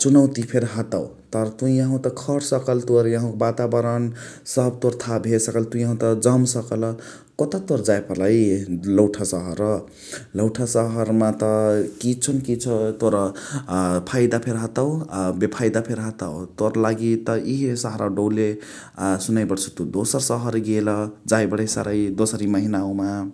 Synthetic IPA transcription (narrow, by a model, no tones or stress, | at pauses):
t͡ʃunʌwt̪ipʰeɾɦʌt̪awt̪ʌɾt̪ujaɦũt̪ʌkʰʌɾsʌkəlt̪oɾjãɦãkbat̪abʌɾənsʌb̚t̪oɾt̪ʰabʱesʌkəlt̪ujãɦũt̪ʌd͡zʌmsʌkʌl | kɔt̪at̪oɾd͡zajpʌɾlajlʌwʈʰasʌɦʌɾʌ | lʌwʈʰasʌɦʌɾmat̪ʌkit͡sʰʌnkit͡sʰʌt̪oɾʌ | pʰajd̪apʰeɾɦat̪abepʰajd̪apʰeɾɦat̪awt̪oɾlaɡit̪ʌiɦisʌɦʌɾʔaɖowle | sunajbʌɽt͡sʰʌ̥t̪ud̪osʌɾsʌɦʌɾɡelʌd͡zajbʌɽʌjsa̰ɾʌjd̪osʌɾimʌɦinaõma